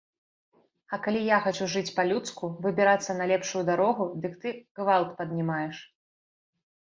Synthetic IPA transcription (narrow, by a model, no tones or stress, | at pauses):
ɐkalʲijaxat͡ʃuʐɨt͡sʲpɐlʲut̪skuvɨbʲiɾat̪sːɐnɐlʲɛpʂujud̪aɾɔɣud̪ɨkt̪ɨɣvalˠt̪pɐd̪̚ʲnʲimajɛʂ